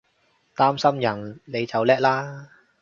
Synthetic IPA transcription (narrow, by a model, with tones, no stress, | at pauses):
t̪aː˥msɐ˥mjɐ˨˩nle˨˧jt͡sɐ˨wlɛː˥k̚laː˥